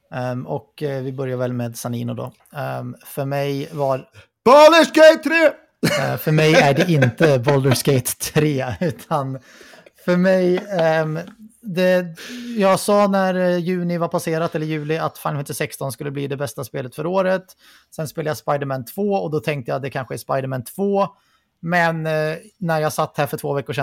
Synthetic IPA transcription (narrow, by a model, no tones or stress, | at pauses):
ɔkvɪbœɾjaɾvɛlmeːd̪sanḭːnʊd̪ɔ̰ | fœɾmɛjva | b̥old̪əʂkejt̪ʰːɾeː | fœmɛjæɖɛʔɪnt̪əbɔld̪əʂkejt̪ʰːɾeːʉ̟ːt̪ʰan | fœɾmɛj | d̪ɛjɑːɡsɑːnæɾjʉ̟ːnɪvaɾpʰaseːɾat̪ɛlːəɾjʉ̟ːlɪat̪falnfɛnt̪ɪsɛkst̪ɔnskɵlːəb̪iːd̪ɛbɛst̪aspeːlət̪fœɾoːɾət̪ | sɛnspeːlajaspajd̪əɾmɛnt̪ʰv̥oːɔd̪ɔt̪ʰɛŋk̚t̪əjaːt̪d̪ɛkʰanɧəæspaɪd̪əmænt̪ʰv̥oː | mɛnː | æɾjɑːsat̪ːhæːɾfœʈʰv̥oːvɛkːʊʂɛ